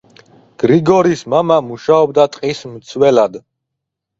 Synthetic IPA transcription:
ɡ̥ɾiɡɔɾismamamuʃaɔb̚d̪at̪ʼqʼismt̪sʰwɛlad̪

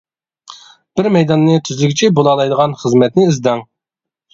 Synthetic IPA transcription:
b̥ɪɾmɛjd̪ɑnːɨt̪ʰyzlykʲit͡ʃʰɛbolˠɑlˠɑjd̪əʁɑnχəzmɛt̪̚nɪːzd̪ɛŋ

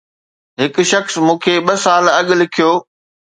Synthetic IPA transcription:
ɦɪkʃɐxsmũːkʰeɓɐsaːlɐɠlɪkʰijoː

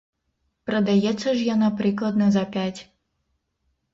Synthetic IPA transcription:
pɾɔd̪ajɛt͡sɔʒjanɔpɾiːklˠad̪nɔzapjacʲ

